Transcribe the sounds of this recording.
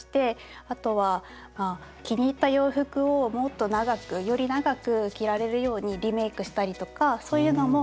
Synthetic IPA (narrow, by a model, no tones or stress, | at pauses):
i̥t̪e̞ | at̪o̞βa | maː | kʲiɲ̟it̪ːajo̞ːɸɯ̟kɯ̟o̞mo̞t̪ːo̞naɡakɯ̟jo̞ɾʲinaɡakɯ̟kʲiɾaɾe̞ɾɯ̟jo̞ːɲ̟iɾʲime̞ːkɯ̟ɕi̥t̪aɾʲit̪o̞kaso̞ːjɯ̟ːno̞mo̞